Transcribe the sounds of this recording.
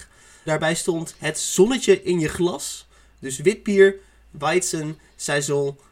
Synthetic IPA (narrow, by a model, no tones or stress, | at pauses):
daːɹbɛjstɔntɦətz̥ɔnəcəʔɪnjəχlɑs | dɵsʋɪt̚biːɹ | ʋajtsən | sɛjzɔl